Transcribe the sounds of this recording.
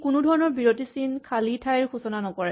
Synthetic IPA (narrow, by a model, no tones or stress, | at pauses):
kunudʱɔɹɔnɔɹbiɹotisinkʰalitʰajɹxusɔnanɔkɔɹɛ